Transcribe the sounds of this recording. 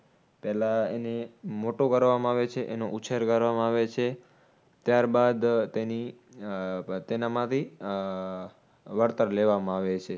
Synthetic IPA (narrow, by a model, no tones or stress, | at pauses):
pɛɦlaenemoʈokəɾʋamãaʋet͡ʃʰeʔenoʔut͡ʃʰeɾkəɾʋamãaʋet͡ʃʰe | t̪jaɾbad̪t̪eni | t̪enamãt̪ʰi | ʋəɾt̪əɾleʋamãaʋet͡ʃʰe